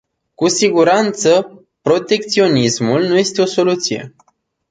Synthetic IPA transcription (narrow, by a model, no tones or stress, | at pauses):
kusiɡuɾant̪sə | pɾo̞t̪e̞k̚t̪sio̞nismulnuje̞st̪e̞o̞so̞lut̪sije̞̰